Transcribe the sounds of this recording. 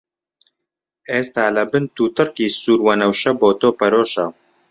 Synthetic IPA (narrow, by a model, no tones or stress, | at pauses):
eːst̪aːlɐbɨnt̪uːt̪ɨrkiːsuːɾwɐnɐwʃɐboːt̪oːpɐɾoːʃɐ